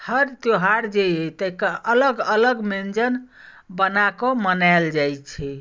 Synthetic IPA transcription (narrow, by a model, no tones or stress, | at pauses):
həɾt̪joɦaɾd͡ʒejet̪əkeʔələɡələɡmend͡ʒən | bənakomənald͡ʒajt͡ʃʰɛ